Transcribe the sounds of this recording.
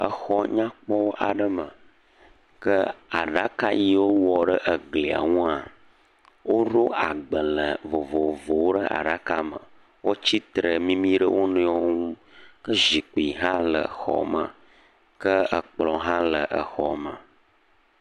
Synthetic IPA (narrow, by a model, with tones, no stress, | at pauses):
ə˨xɔ˦ɲã˦k͡pɔ˦wo˦ʔa˨ɖə˦mə˨ | kə˦a˨ɖa˦ka˦ji˦wo˦wɔ˨ɖə˦ʔə˨ɡli˨a̰˨ŋũ˦a˨ | wʔo˦ɖo˦a˨ɡ͡bə˨lə˨vo˨vo˨vo˨wo˦ɖə˦ʔa̰˨ɖa˦ka˦mə̰̃˨ | wʔo˦t͡ɕi˦t̪ɾə˨mĩ˦mĩ˦ɖə˦wʔo˦nẽ˦ɔ˦ŋũ˦ | kə˦zi˨k͡pi˨ɦã˦lə̰˨xɔ̰˨mə̰̃˨ | kə˦ə˨k͡plɔ̃˨ɦã˦lə˨ʔə˨xɔ̰˨mə̃˨